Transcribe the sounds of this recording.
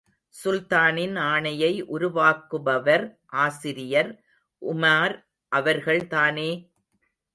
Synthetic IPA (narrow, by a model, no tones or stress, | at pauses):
sʊlt̪aːnɪnaːɳɐjɐɪʔʊɾʊʋaːkːɯbɐʋɐɾʔaːsɪɾɪjɐɾ | ʔʊmaːɾ | ʔɐʋɐɾɣɐɭt̪aːneː